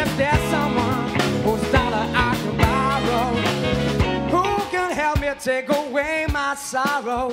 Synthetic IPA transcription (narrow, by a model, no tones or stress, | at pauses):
ɪfðə˞sʌ̃mwʌ̃nhuzdɑɾəʔakəmaɹoʊ | hukɨ̃nɦɛlˠp̚miətʰeɪkoweɪmaɪsɑɹoʊ